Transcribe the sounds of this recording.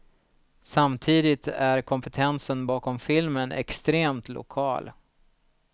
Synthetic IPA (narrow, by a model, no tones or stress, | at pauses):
samt̪ʰiːd̪ɪt̪ʰæɾkʰɔmpɛt̪ʰɛnsənbɑːkɔmfɪlmənʔɛ̰kst̪ɾeːmt̪lʊ̰kʰɑ̰ːl